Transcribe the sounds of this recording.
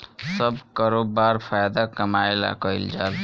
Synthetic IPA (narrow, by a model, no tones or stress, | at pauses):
sʌbkʌɾobaɾpʰajad̪akʌmaela̰kʌild͡ʒal